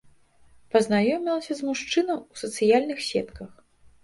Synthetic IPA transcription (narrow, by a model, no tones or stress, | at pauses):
pɐznajɔmʲilˠɐsʲɐzmuʂt͡ʂɨnɐwusɐt̪sɨjalʲnɨxsʲɛ̰t̪kɐx